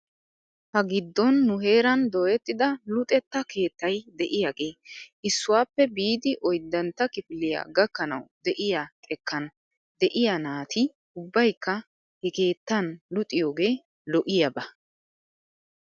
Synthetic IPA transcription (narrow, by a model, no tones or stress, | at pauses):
hɐɡɪd̪ːɔnːʊɦe̞ːɾɐnd̪oːjɛt̪ːɪd̪ɐlʊt̪ʼɛt̪ːɐke̞ːt̪ːɐjd̪ɛʔɪjaɡe̞ːʔɪsːʊwaːpːɛbiːd̪ɪʔɔjd̪ːɐnt̪ːɐkɪpɪlɪja̰ɡɐkːɐnɐ̰wd̪ɛʔɪjakʼɛkːɐn | d̪ɛʔɪjanaːt̪ʰɪ | ʊbːɐjkːɐ | hɛke̞ːt̪ːɐnlʊt̪ʼːɪjo̞ːɡe̞ː | lɔʔɪjɐbɐ